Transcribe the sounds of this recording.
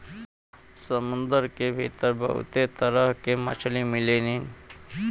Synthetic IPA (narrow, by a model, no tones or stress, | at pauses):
səmʊ̃nd̪əɾkebʱḭːt̪əɾbʱə̰ɦṵt̪et̪əɾəɦkemə̰t͡ʃʰlimɪleːnin